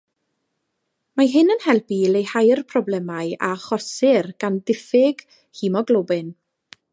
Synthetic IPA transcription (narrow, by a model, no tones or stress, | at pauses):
maɦɨnənhɛlˠpilejhajrpʰrɔblˠɛmaɨa̰χɔsɪrɡ̥andɪfɪɡ̥ | himɔɡlˠobɪn